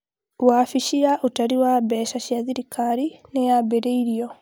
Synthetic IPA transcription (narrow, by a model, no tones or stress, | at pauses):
waːfiʃiaʔutaɾiwabɛʃaʃiaðiɾikaɾinejabeɾeiɾiɔ